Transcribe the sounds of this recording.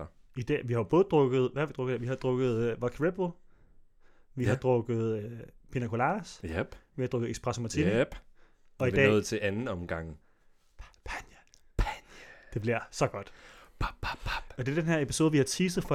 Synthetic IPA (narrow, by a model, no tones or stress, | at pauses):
id̥ɛ̰ːʋihɑ̈ob̥ɔ̽ːð̩ˠd̥ʁɔɡ̥ð̞̩ˠʋæd̥ʁɔ̽ɡ̥ˠdeʋihɑ̈d̥ʁɔɡ̥ð̞̩ˠʋɒkʰiʁeb̥o | ʋihɑd̥ʁɔ̽ɡ̥ð̩ˠpʰenækʰo̝lɑ̈ːsæb̥ʋihɑ̈d̥ʁɔ̽ɡ̥ð̩ˠeɡsb̥ʁasomæt͡sʰi̥ | ɒ̽id̥ɛ̰ɔːð̩ˠt͡sʰe̝ʔænn̩ɒmɡ̥ɑ̈ŋ̰ʰ | pʰænjə | pʰænd̥e̝b̥liɐ̰sɒ̽ɡ̥ɒ̽d̥ | ɒ̽d̥e̝æɐd̥enɦeɐe̝pi̥so̝ːðˠʋihɑ̈t͡sʰiːs̬əð̩ˠfɒ̽